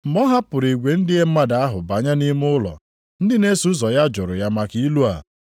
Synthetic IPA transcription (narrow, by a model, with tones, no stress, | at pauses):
m̩˨mɔ˦ɦa˦pʊ˨ɾi˨ɡʷe˨n̩˦dɪ˦e˦m̩˦ma˦da˨a˦ɦʊ˨ba˨ɲa˦ni˦m˦ʊ˦lɔ̰˨ | n̩˦dɪ˦ne˦su˦zɔ˨ja˦d͡ʒʊ˨ɾʊ˨ja˦ma˨ki˦i˦lu˦a̰˨